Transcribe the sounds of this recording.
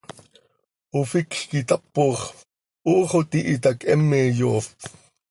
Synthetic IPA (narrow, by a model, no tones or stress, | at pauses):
ʔofikxkit̪ɑpːoχ | ʔoːχot̪iʔit̪ɑkʔɛmːeːjoː